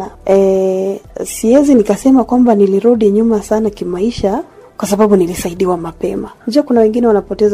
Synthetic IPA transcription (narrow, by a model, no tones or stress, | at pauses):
aɛ | siɛzinikasɛmakwambaniliɾuɗiɲumasanakimaiʃa | kwasaɓaɓunilisaiɗiwamapɛmad͡ʒuakunawɛŋɡinɛwanapɔtɛz